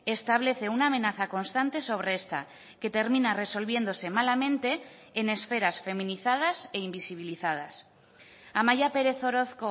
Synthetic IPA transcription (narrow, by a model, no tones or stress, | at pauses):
e̞st̪aβ̞le̞θe̞unaːmenaθako̞nst̪ant̪e̞so̞β̞ɾeest̪a̰ | ke̞t̪e̞ɾmĩnare̞so̞lβ̞je̞nd̪o̞se̞malamẽ̞nt̪e̞ːne̞sfe̞ɾasfe̞mĩniθað̞ase̞imbisiβ̞iliθað̞as | amaʝape̞ɾe̞θo̞ɾo̞θko̞